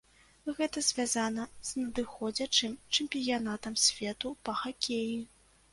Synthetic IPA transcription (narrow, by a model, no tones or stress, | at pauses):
ɣɛt̪ɐzʲvʲazanɐz̥nɐd̪ɨxɔd͡zʲɐt͡ʂɨmt͡ʂɨmʲpʲijanat̪ɐmsʲvʲɛt̪upɐxakʲeji